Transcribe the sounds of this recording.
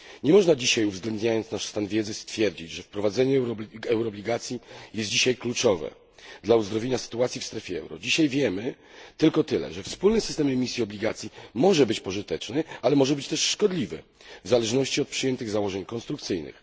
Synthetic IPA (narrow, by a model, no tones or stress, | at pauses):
ɲɛmɔʐnad͡ʑiɕajuvzɡlɛnd̪ɲajɔnt̪snaʂst̪anvʲjɛd̪zɘst̪fʲjɛɾd͡ʑit͡ɕʐɛfpɾɔvad̪zɛɲɛɾɛwɾɔblʲiɡat̪sʲjijɛst̪̚d͡ʑiɕajklut͡ʂɔvɛ̰ | d̪lauzd̪ɾɔvjeɲasɘ̥t̪uat̪sʲifst̪ɾɛfʲjɛɛ̰wɾɔ̰d͡ʑiɕajvʲjɛmɘ | t̪ɘlkɔt̪ɘlɛ̰ʐɛfspulnɘsɘst̪ɛmɛmʲisʲjiɔblʲiɡat̪sʲjimɔʐɛbɘt͡ɕpɔʐɘt̪ɛt͡ʂnɘalɛmɔʐɛbɘt͡ɕt̪ɛʂːkɔd̪lʲivɘ̰ | vzalɛʐnɔɕt͡ɕiɔt̪̚pʂɨjɛnt̪ɘɣzawɔʐɛɲkɔnst̪ɾuk̚t̪sɘjnɘ̰x